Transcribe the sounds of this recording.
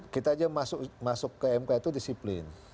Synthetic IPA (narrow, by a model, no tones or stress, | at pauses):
kit̪aːd͡ʒamasʊʔmasʊkːəɛmkait̪udisiplɪ̰n